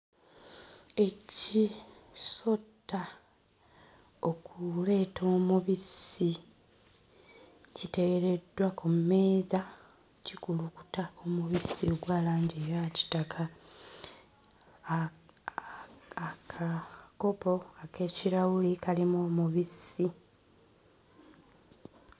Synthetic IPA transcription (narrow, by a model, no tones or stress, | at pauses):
e̞ci | so̞tːa | o̞kule̞ːto̞ːmuβisi | cite̞ɡeɾe̞dwakumme̞ːza | cikuluku̥taomuβisioɡwaːlaːɲɟeɾaci̥takʰa | kʰako̞po̞ake̞ciɾawulikalimoːmuβisi